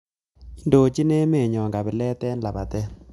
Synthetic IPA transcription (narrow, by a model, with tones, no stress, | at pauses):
i˦ndo˨t͡ʃi˦ne˦me˦˨ɲɔ˨ŋɡa˨bɪ˨lɛ˦tɛ˦nla˨pa˨tɛ˦